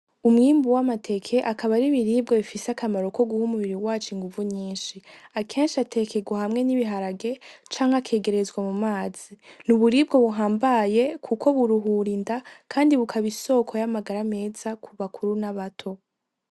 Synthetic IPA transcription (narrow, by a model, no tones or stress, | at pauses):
umŋiːmbuwamatʰe̞kʰe̞ʔakaβaɾiβiɾiːbɡo̞βifiseakʰamaɾo̞ko̞ɡuhumuβiɾiwaːt͡ʃoiŋɡuvuɲiːnʃiakʰe̞ːnʃiatʰe̞ke̞ɡwahamŋe̞niβiɦaɾaɡe̞t͡ʃaːŋhakʰe̞ːɡe̞ɾe̞zɡwamumaːz̥inuβuɾibɡo̞βuɦaːmbaje̞kʰukʰo̞βuɾuɦuɾindakʰaːndiβukʰaβiso̞ːkʰo̞jamaɡaɾame̞ːzakʰuβakʰuɾunaβatʰo̞